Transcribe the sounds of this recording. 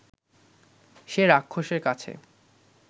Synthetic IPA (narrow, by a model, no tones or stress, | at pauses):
ʃeɾakʰːoʃeɾkat͡ɕʰḛ